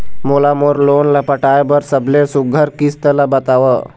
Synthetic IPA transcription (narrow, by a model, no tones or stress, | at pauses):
molamoɾlonlapəʈajbəɾsəblesuɡʱəɾkist̪əlabət̪aʋə